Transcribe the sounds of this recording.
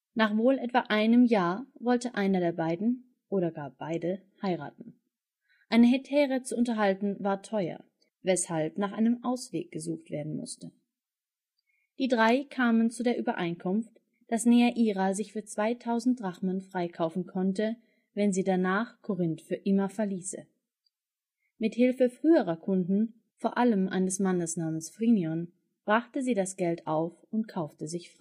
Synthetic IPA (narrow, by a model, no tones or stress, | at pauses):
naːχv̥oːlʔɛtv̥a̰ʔaɪnəmjaːɐvɔltəʔaɪnɐdeːɐbaɪdn̩ | ʔoːɾɐɡaːɐb̥aɪdə | haɪʁa̰ːtn̩ | ʔaɪnəɦɛtʰɛːʁət͡suʔʊntɐɦaltn̩vaːɐtʰɔʏɐ̰ | vɛshalpnaːχʔaɪnəmʔaʊsv̥ḛːk̚ɡ̥əzuːxtv̥ḛːɐdn̩mʊ̰stə | d̥iːdʁaɪkʰaːmənt͡sudeːɐʔyːbɐʔa̰ɪnkʰʊmft | d̥asnɛːəʔiːʁazɪçfyːɐt͡sv̥aɪtʰaʊzn̩t̚d̥ʁaχmənfʁ̥aɪkʰaʊfn̩kʰɔntə | vɛnziːdanaːχkʰɔʁɪntfyːɐʔɪmɐfɛɐliːsə̰ | mɪthɪlfəfʁ̥yːəʁɐkʰʊndn̩ | foːɐʔaləmʔa̰ɪnəsmanəsnaːmənsfʁ̥injɔn | b̥ʁaχtəziːdasɡ̥ɛltʔaʊfʊnt̚kʰaʊftəzɪçfʁ̥aɪ